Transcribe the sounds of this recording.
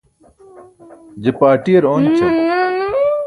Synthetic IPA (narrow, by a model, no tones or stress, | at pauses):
d͡ʑepaːʈiɐɾoːnt͡ɕʰe